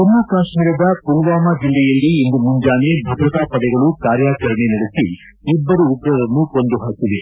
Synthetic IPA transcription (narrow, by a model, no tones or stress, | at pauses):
kɔnːaːkaːʂmiːɾɐd̪ɐpulʋaːmad͡ʒilːɛjɐlːiind̪umuɲd͡ʒaːnebʱɐd̪ɾɐt̪aːpɐɽɛɡɐɭukaːɾjaːt͡ʃɐɾɐɳenɐɽusiː | bːɐɾuːd̪ɾɐʋɐnːukond̪uɦaːkiʋe